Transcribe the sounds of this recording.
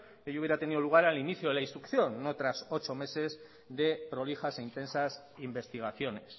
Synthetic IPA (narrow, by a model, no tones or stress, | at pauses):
eʝouβjeɾat̪e̞niðo̞luɣ̞aɾaliniθjoðe̞lainst̪ɾukθjo̞nːot̪ɾaso̞t͡ʃo̞me̞se̞z | ðe̞pɾo̞lixaseint̪e̞nsas | imbe̞st̪iɣ̞aθjo̞ne̞s